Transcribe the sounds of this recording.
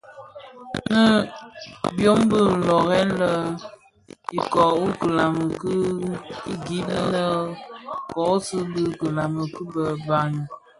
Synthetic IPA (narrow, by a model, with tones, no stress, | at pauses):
nə˦ | bjo˦mbə˦˨lɔ˨ɣɛ˦n˦lə˦ | i˨kɔ˨u˦kə˨la˨mə˨kə˦i˦ɡi˦nə˦nə˦ | kɔ˨˦sə˦bə˦kə˨la˨mə˨kə˦bə˨ba˨ŋ˨